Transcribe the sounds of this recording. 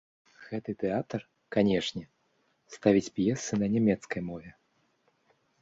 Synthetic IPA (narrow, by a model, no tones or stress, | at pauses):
ɣɛt̪ɨt̪ɛat̪ɐr | kanʲɛʂnʲɛ | st̪avʲit͡sʲpjɛsɨnɐnʲɛmʲɛt̪skɐjmɔvʲɛ